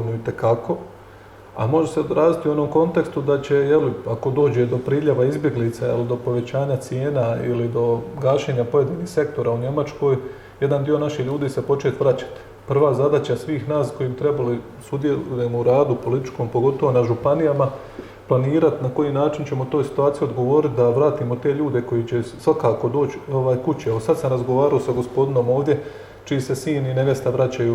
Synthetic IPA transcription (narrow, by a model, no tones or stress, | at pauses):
noit̪e̞kakʰo̞ | a̰mo̞ʒeseod̪ɾaːd̪it̪iuo̞no̞ːmko̞nt̪e̞kst̪ud̪at͡ɕe̞jeliako̞d̪o̞ːd͡ʑe̞d̪o̞pɾiːʎaʋaizbje̞ɡlit̪sajelid̪o̞po̞ʋe̞t͡ɕaːɲat̪sjeːnaḭlid̪o̞ɡaːʃe̞ːɲapo̞jed̪iːniːhse̞k̚t̪o̞ɾauɲe̞mat͡ʃko̞ːj | je̞d̪and̪io̞naʃiʎuːd̪iːse̞po̞t͡ʃe̞ːt̪ʋɾat͡ɕḁt̪i̥ | pr̩ʋaːzad̪aːt͡ɕasʋiːxnaːsko̞jiːmt̪ɾe̞bali | sud̪jeluje̞mouɾaːd̪upo̞lit̪i̥t͡ʃko̞mpo̞ɡo̞t̪o̞ʋo̞naʒupanijama | planiːɾat̪nako̞jiːnaːt͡ʃint͡ɕe̞mot̪o̞ːjsi̥t̪uaːt̪ijuod̪ɡo̞ʋo̞ːɾit̪d̪aʋɾaːt̪iːmo̞t̪e̞ʎuːd̪e̞ko̞jit͡ɕe̞sʋakaːko̞d̪o̞ːt͡ɕo̞ʋaːjkut͡ɕiaosad̪samɾazɡo̞ʋaːɾao̞saɡo̞spo̞d̪ino̞ːmo̞ːʋd̪ʲje̞ | t͡ʃiise̞siːnineʋjest̪aʋɾat͡ɕaju